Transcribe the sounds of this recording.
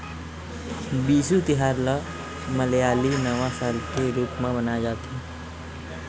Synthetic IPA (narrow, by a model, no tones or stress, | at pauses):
biːsut̪iɦaːɾla | məljaːlinəʋãsaːlkeɾuːpmẽbənad͡ʒaːt̪i